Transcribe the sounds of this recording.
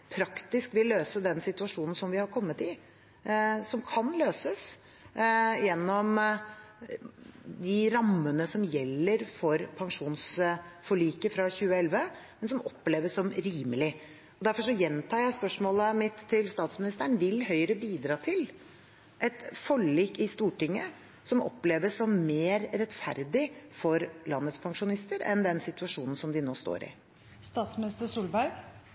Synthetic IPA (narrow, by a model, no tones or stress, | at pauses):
pʰɾɑkt̪ɪskʋɪlːøːsəd̪ɛnsɪt̪ʉɑʂuːnn̩sɔmʋɪhɑɾkʰɔmːət̪ɪ | sɔmkʰɑnløːsəs | jɛnːɔm | d̪ɪɾɑmːənəsɔmjɛlːəɾfɔɾpʰɑŋʂuːnsfɔɭiːkəfɾɑçʉːəɛlʋəmɛnsɔmɔpːleːʋəsɔmɾiːməlɪ | ɔd̪æɾfɔʂɔjɛnt̪ʰɑːjæɪspœʂmoːləmɪt̪ʰːɪlst̪ɑːt̪smɪnɪst̪əɳ̩ʋɪlhœʏɾəbiːd̪ɾɑːt̪ʰɪl | ʔɛt̪fɔɭːiːkɪst̪uːʈɪŋːə | sɔmʔɔ̰pːleːʋəsɔmmeːɾɾɛt̪fæ̰ɾd̪ɪfɔɾlɑnːət̪spʰɑŋʂʊnɪst̪əɾɛ̰nd̪ɛnsɪt̪ʉɑʂuːnn̩sɔmd̪ɪno̰ːst̪o̰ːɾɪ̰ | st̪ɑːt̪smɪnɪst̪əsuːlbæɾ